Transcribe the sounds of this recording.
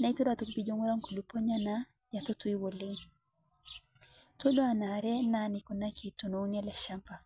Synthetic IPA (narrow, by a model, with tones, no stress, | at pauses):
na˨i˦tɔ˦ɾa˨tu˨kbi˦d͡ʒɔŋu˦ɾa˦ŋku˨lu˨pɔ˦ɲa˦na | ja˨tɔ˦tu˦iwɔ˨le˦ŋ | to˦dɔ˦a˨na˨ɾɛ˦nanikɔ˨na˦ki˨tɔ˨no˨u˦niɛ˦la˨ʃampa˨